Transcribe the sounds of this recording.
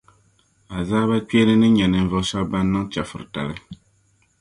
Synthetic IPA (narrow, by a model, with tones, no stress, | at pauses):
a˨zaː˦ba˦k͡pɛ˦lɨ˦nɨ˦ɲɛ˨nɨ˨n˦vɨ˦˨˦sɛ˦bba˦nː˦ɨ˦ŋt͡ʃa˨fɨ̰˨ɾɨ̰˨ta̰˨lɨ˦